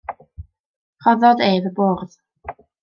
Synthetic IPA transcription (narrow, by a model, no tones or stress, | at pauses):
χɔðɔdeːvəboːrð